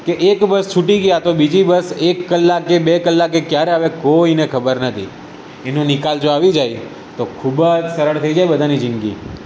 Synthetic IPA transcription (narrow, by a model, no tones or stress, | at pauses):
keʔekbəst͡ʃʰuʈiɡjat̪obid͡ʒibəsekːəlːakːebekəlːakekjaɾeaʋekoinekʰəbəɾnət̪ʰḭ | enũnɪkald͡ʒoaʋid͡ʒaj | t̪okʰubəd͡ʒsəɾəɭt̪ʰəid͡ʒajbəd̪ʱanid͡ʒɪnɡḭ